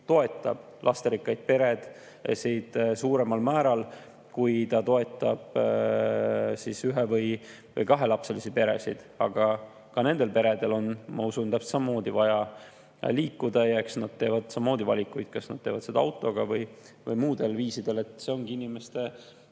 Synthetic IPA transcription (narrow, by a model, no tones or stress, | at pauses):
t̪o̞e̞t̪ːˑɑ̰b̥ | lʔɑst̪eɾikːɑjd̪̥̚pe̞ɾe̞d̪̥ | sid̪suːɾe̞mɑlmæːɾɑl | kujt̪ɑt̪o̞e̞t̪ːˑɑb̥ | sisyɦevɤj | vɤjkɑɦe̞lɑpselisipe̞ɾe̞̰sḭd̪̥ɑɡ̥ɑ | kɑne̞nd̪elpe̞ɾe̞d̪e̞lo̞nmɑ̰usunt̪æpst̪sɑmɑmo̞ːd̪ivɑjɑ | liːkːud̪̥ɑjɑe̞ksnɑd̪̚t̪eːvɑd̪̥sɑmːmo̞ːd̪ivɑlʲikːujd̪̥kɑsnɑd̪̥t̪eːvɑd̪se̞d̪ɑɑwt̪ːˑo̞ɡ̥ɑvɤj | vɤjmuːd̪̥e̞lviːsid̪̥e̞le̞t̪ˑse̞o̞ŋɡ̥iinime̞st̪e̞